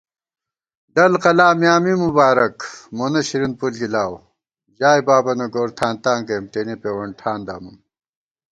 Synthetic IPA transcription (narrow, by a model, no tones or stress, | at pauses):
ɖɐlqɐlaːmjaːmimubaːɾɐkmonɐɕiɾinpulkilaːw | ʑaːjbaːbɐnoɡoːɾt̪ʰaːnt̪aːŋkɐjmʈ̪eːnipeːwɐɳʈʰaːnd̪a̰ːmum